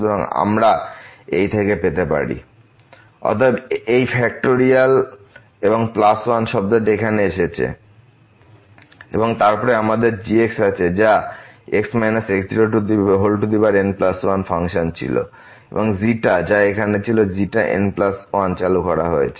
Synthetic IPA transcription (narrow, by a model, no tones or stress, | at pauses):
eboŋa̰mɾaejt̪ʰekepet̪epa̰ɾḭ | ɔ̰t̪ʰebejfɛk̚ʈoɾial | eboŋplaswanʃɔb̚d̪aʈekʰaneeʃet͡ɕʰḛ | ḛboŋt̪aɾpɔɾeamad̪eɾd͡ʑieksat͡ɕʰed͡ʑaeksmajnasekd̪iɾoʈuiɦolʈud̪ibaɾenplaswanfʰaŋʃont͡ɕʰḭlo̰ | ḛboŋziʈad͡ʑaekʰanet͡ɕʰiloziʈaʔḛnplaswant͡ɕalukɔɾa̰ɦoet͡ɕʰe